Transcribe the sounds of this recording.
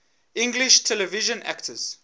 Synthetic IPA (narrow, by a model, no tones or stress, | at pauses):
ɪ̃ŋɡliʃtʰɛlɛviʒə̃nʔæ̰ktʰəz̥